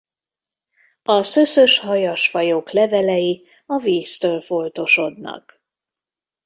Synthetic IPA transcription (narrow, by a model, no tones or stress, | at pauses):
ɒsø̞søʃhɒjɒʃfɒjoːklɛvɛlɛji | ɒviːst̪øːlfo̞lt̪o̞ʃo̞d̪nɒ̰k